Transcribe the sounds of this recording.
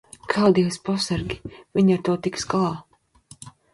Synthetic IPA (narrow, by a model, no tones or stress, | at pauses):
kʰald̪iwspɔsaɾɡʲiviɲaɾt̪uɔt̪ikskalˠaː